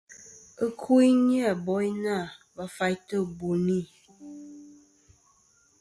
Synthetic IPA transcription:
ə˦kʰu˦i˦ɲ˦a˦˨bɔ˦i˦na˦˨ba˨fa˨˦jtə˦˨bo˨ni˦˨

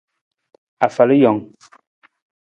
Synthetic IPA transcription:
a˨fa˨lə˦jɔ˨ŋ

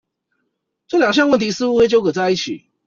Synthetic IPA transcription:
ʈ͡ʂɤ˥˨ljɑ˨˩ŋɕ̬jɑ˥˧ŋwə˥˨nt̪ʰi˧˥sɹ̩˥u˧˥xwe˥ɪt͡ɕjo˥ʊkʰɤ˨˩t͡sa˥˧ɪi˥˩t͡ɕʰi˨˩˦

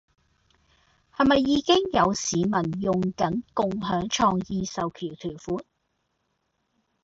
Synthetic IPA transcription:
hɐ˨jmɐ˨jːiː˨˧kɪ˥ŋjɐ˨˧wsiː˨˧mɐ˨˩njʊ˨ŋkɐ˨˥nkʊ˨ŋɦœː˨˥ŋt͡ʃʰɔː˧ŋjiː˧sɐ˨wkʰiː˨˩wt̪ʰyː˨˩wfuː˨˥n

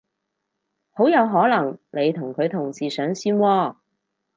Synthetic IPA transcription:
ho˨˥wjɐ˨˧wɦɔː˨˥lɐ˨˩ŋne˨˧jt̪ʰʊ˨˩ŋkʰɵ˨˧ɥt̪ʰʊ˨˩ŋt͡siː˨sœː˨˥ŋsiː˧nwɔː˧

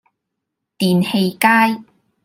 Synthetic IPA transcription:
t̪iː˨˩nhe˧jkaː˥j

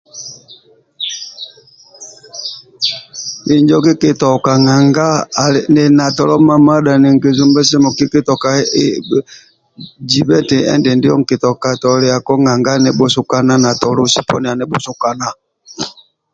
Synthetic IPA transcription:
i˨ɲd͡ʒɔ˦ki˦ke˦tɔ˨ka˨ŋa˨ŋɡa˦˨nɛ˨na˨tɔ˨lɔ˦ma˦ma˦da˨ne˨ŋ˨ɡe˨zu˦mbɛ˦s̬ɛ˦mɔ˨ki˦ke˦tɔ˨ka˨˦ | d͡ʒi˨bɛ˦tɛ˨ɛ̰˦ndɛ˨ndi˦ɔ˦ŋ˨ke˨tɔ˨ka˨tɔ˨le˨a˨kɔ˦ŋa˨ŋɡa˦nɛ˨bo˦su˦ka˦na˦na˨tɔ˨lo˦˨si˦˨pɔ̰˦nɛ˨a˨nɛ˨˦bo˦su˦ka˦na˦

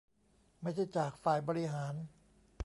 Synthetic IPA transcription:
ma˥˩jt͡ɕʰa˥˩jt͡ɕaː˨˩k̚faː˨˩jbɔː˧ɾi˦˧ɦaː˩˦n

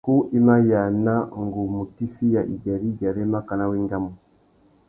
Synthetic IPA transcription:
ku˦ʔi˦ma˦ja˨na˦ŋ˨ɡu˨mu˨ti˦fi˦ja˨ʔḭ˨ɟa˨ɾi˦ɟa˨ɾɛ˦ma˦ka˨na˦wi˦ŋɡa˦mu˨

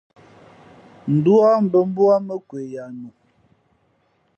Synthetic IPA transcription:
n̩˨du˦a˦m̩˨bə˦m̩˦bu˦a˦mə˦kwe˨ja˨nu˨

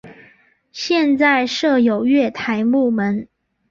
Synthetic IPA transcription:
ɕjɛ˥˧nt͡sa˥˧ɪʂɤ˥˩jo˨˩ʊɥɛ˥˩t̪ʰa˧˥ɪmu˥˩mə˨˦n

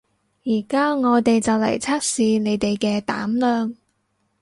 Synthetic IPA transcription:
jiː˨˩kaː˥ŋɔː˨˧t̪e˨jt͡sɐ˨wlɐ̰˨˩jt͡sʰaː˥t̚siː˨˧ne˨˧jt̪e˨jkɛː˧t̪aː˨˥mlœː˨˧ŋ

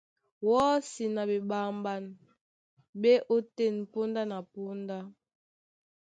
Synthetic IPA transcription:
wɔ˦si˨na˨be˨ɓa˨mba˨n | be˦ʔo˦te˦˨n˨po˦nda˦na˨po˦nda˦

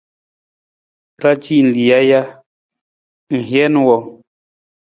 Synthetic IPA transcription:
ɾa˦t͡ʃi˦˨n̩˨li˨a˦ja˦ | ŋ̩˨hjɛ˦n˦wɔ˨

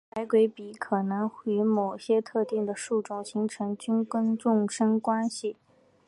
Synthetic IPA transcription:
pa˧˥ɪkwe˧˥ɪpi˨˩˥kʰɤ˨˩nɤ˧˥ŋxy˧˥mo˨˩ʊɕjɛ˥t̪ʰɤ˥˧t̪i˥˩ŋd̪ə˩ʂu˥˩ʈ͡ʂʊ˨˥˩ŋɕi˧˥ŋʈ͡ʂʰɤ˧˥ŋt͡ɕy˥nkə˥nʈ͡ʂʊ˥˩ŋʂə˥ŋkwa˥nɕi˨˩

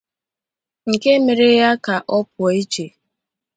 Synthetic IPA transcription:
ŋ̩˨ke˦me˨ɾe˦ja˦ka˨ʔɔ˦pʊ˨ɔ˨i˦t͡ʃe˨

